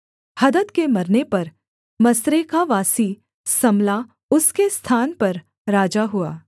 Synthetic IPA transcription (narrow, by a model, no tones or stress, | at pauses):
hɐd̪ət̪kemɐɾnepɐɾ | mɐsɾekaʋaːsi | sɐmla | ʊskest̪ʰaːnpɐɾ | ɾaːd͡ʒaɦʊaː